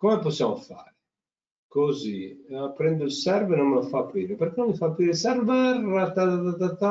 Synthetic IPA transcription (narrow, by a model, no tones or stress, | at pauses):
komɛposːjamofa̰ːɾɪ | kozipːɾɛnd̪ʊilsɛɾvenomːefapːɾiːɾepeɾkɛnõmːifapːɾiːɾesɛɾvɛrat̪at̪at̪at̪at̪a